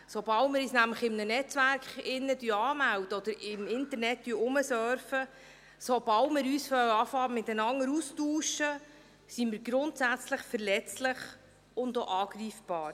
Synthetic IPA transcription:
sob̥ɑltmɪɾisnæmləχɪmnənɛt͡sʋæɾkχɪnːədyːɑːmæwd̥̪əɔd̪əɾɪmɪnt̪əɾnɛt̚d̥yəʊməsœɾfə | sobɑltmɪɾyːsfœwɑfɑːɾmɪt̪ənɑŋːəɾustuːʃə | simɪɾɡɾʊntsæt͡sləχfəɾlɛt͡slɪχ | ʊnd̪oʔɑːɡɾiːfb̥ɑːɾ

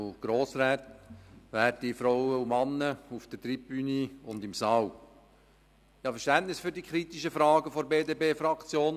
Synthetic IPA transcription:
ɡ̥ɾoːsɾɛːt̪ʋæːɾtifɾɔwəumɑnːəufd̪̥ətɾipbyniʊndɪmsɑːw | jɑːfəɾʃtæntnɪsfyɾdikʰχɾit̪iʃəfɾɑːɡəfɔɾbeːdeːbeːfɾɑkt͡sjoːn

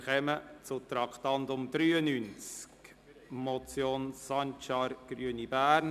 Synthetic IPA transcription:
χɛmət͡sʊt̪ɾɑkt̪ɑnt̪ʊmd̥̪ɾyːənynt͡sk | mɔt͡sjoːnsɑntʃɑɾɡ̥ryənibæːɾn

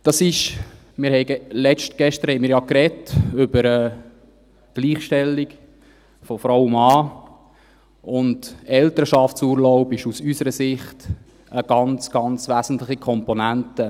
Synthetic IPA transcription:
d̥ɑsɪʃ | mɪːɾhɛɪɡəlɛt͡ʃtɡ̥ɛʃtəɾhɛɪjmɪːɾjɑkɾɛtʏbəɾə | ɡ̥liːχʃtɛlːik | fɔfɾɔwmːɑː | ʊndɛltəɾʃɑftsuːɾlɔʊbɪʃusysəɾəsɪχt | əɡ̥ɑnt͡sɡ̥ɑnt͡sʋæːzn̩tlɪχikʰɔmpɔnæntə

